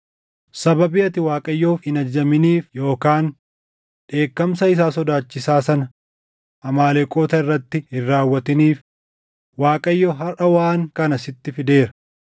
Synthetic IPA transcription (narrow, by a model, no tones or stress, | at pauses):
sɐbɐbɪɐt̪ɪwaːkʼɐjːo̞ːfhɪnɐd͡ʒːɐmɪniːfjo̞ːkaːn | ᶑe̞ːkːɐmsɐɪs̬aːsɔd̪aːt͡ʃːɪsaːsɐnɐ | ʔɐmaːlekʼoːt̪ɐɪrːɐt̪ːɪhɪrːaːwːɐt̪ɪniːf | waːkʼɐjːoɦɐrʔɐwaːŋkɐnɐsɪt̪ːɪfɪd̪e̞ːɾɐ̥